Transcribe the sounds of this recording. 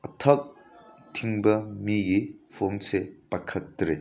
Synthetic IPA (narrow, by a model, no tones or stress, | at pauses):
ɐtʰɐk̚tʰiŋbɐmiɡipʰoŋsepakʰɐtːɾe